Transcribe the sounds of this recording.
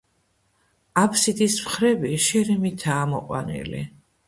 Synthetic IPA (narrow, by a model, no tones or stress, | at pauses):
apʰsid̪ismχɾɛbiʃɛɾimit̪ʰaːmɔqʼwa̰nḭlḭ